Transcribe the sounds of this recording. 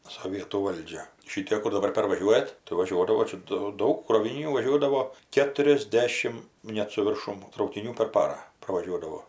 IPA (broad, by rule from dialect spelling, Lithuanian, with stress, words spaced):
soːˈʋʲiɛtuː ˈʋɐlʲd͡ʒʲɛ ˈʃʲɪtʲeːk kʊr dɐˈbɐr pʲɛrʋɐˈʒʲuɔjɛt tɐɪ ʋɐˈʒʲuɔdɐʋoː ˈt͡ʃʲɛ doː ˈdɐʊk kroːʋʲɪnʲiːˈnʲuː ʋɐˈʒʲuɔdɐʋoː kʲɛtʊrʲɛzʲˈdʲæːʃʲɪm ˈnʲɛt sʊ ʋʲɪrˈʃʊm trɐʊkʲɪˈnʲuː pʲɛr ˈpɑːrɑː prɐʋɐˈʒʲuɔdɐʋoː